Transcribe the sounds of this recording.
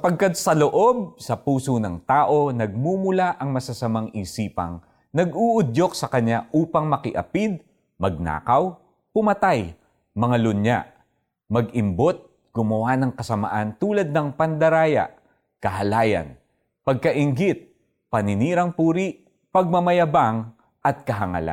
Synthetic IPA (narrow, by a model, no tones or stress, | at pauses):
ɐpɐɡ̚kad̪̚sɐloʔo̞b̚sɐpuːsonɐŋt̪aːʔo̞nɐɡ̚muːmʊlaʔɐŋmɐsɐsɐmaŋisiːpɐ̰ŋ | nɐɡuːʔʊd̪ʎo̞k̚sɐkɐɲːaʔuːpɐŋmɐkɪʔɐ̰pid̪̚ | mɐɡ̚na̰ːkɐw | pʊmɐt̪aj | mɐŋalʊnja̰ʔ | mɐɡɪmbot̪̚ | ɡ̥ʊmɐwanɐŋkɐsɐmɐ̰ʔant̪uːlɐd̪̚nɐŋpɐnd̪ɐɾaːjɐ̰ʔ | kɐɦɐlaːjɐ̰n | pɐɡ̚kɐʔɪŋɡit̪̚ | pɐnɪniːɾɐŋpuːɾiʔ | pɐɡ̚mɐmɐjɐbaŋ | ʔɐt̪̚kɐɦɐŋɐ̰la̰